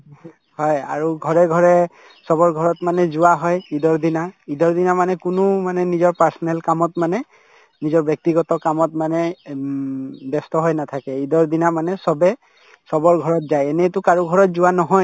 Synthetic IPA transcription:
hɔja̰ɹuɡʱɔɹɛɡʱɔɹɛ | sɔbɔɹɡʱɔɹɔtmanɛzʊwaɦɔjidɔɹd̪inaidɔɹd̪inamanɛkʊnʊmanɛnizɔɹpaɹsɔnɛlkamɔtmanɛ | nizɔɹbjɔk̚tiɡɔtɔkamɔtmanɛ | bɛstɔɦɔjnatʰakɛidɔɹd̪inamanɛsɔbɛ | sɔbɔɹɡʱɔɹɔtzajɛnɛtʊkaɹuɡʱɔɹɔt̚zʊwanɔɦɔj

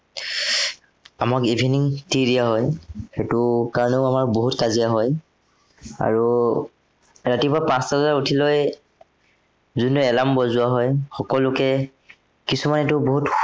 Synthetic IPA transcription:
amakibʱiniŋtiɹijaɦɔjxetʊkaɹɔneʊamaɹboɦutkazijaɦɔj | a̰ɹu | ɹatipapãsazzaɹutʰiloj | zunɔɛlambɔzʊwaɦɔjxɔkɔlʊkɛ | kisumanɛtʊboɦut

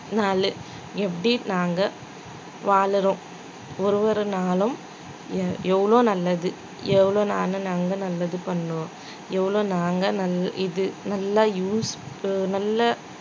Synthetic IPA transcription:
naːlɯ | ɛpːɐɽinaːŋɡɐ | ʋaːɭɯɾõː | ɔɾɯʋɐɾɯnaːlɯm | ɛʋːɐɭoːnɐlːɐðɯ | ɛʋɐɭoːnaːnɯnaːŋɡɐnɐlːɐðɯpɐɳːõː | ɛʋːɐɭoːnaːŋɡɐnɐlːʔɪðɯnɐlːɐjuːsnɐlːɐ

